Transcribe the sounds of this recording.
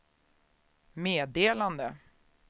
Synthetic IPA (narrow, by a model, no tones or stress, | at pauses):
meːd̪eːland̪ə